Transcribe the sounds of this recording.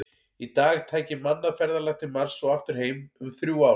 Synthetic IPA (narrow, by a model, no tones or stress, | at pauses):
it̪aːɣt̪ʰaːjcɪmanːafɛɾðalɛxt̪ɪmaɾ̥sɔaft̪ʏɾ̥heːjmʏmθɾjuːaːw